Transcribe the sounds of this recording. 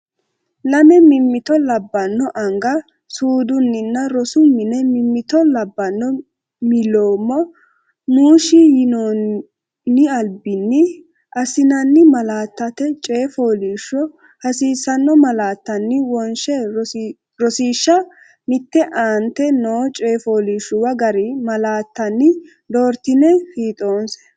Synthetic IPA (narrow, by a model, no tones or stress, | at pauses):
nɐmɛmɪmːɪt̪ɔlɐbːɐnːɔʔɐŋɡɐ | suːd̪ʊnːɪnːɐɾɔsʊmɪnɛmɪmːɪt̪ɔlɐbːɐnːɔ | mɪloːmːɔ | nuːʃɪjɪno | nːɪɐlbɪnːɪ | ʔɐsɪnɐnːɪmɐlaːt̪ːɐt̪ɛt͡ʃʼe̞ːfoːliːʃːɔ | hɐsiːsɐnːɔmɐlaːt̪ːɐnːɪwɔnʃɛ | ɾɔsiːʃːɐ | mɪt̪ːɛʔaːnt̪ɛnoːt͡ʃʼe̞ːfoːliːʃːʊwɐɡɐɾɪmɐlaːt̪ːɐnːɪ | d̪oːɾt̪ɪnɛfiːt̪ʼoːnsɛ̥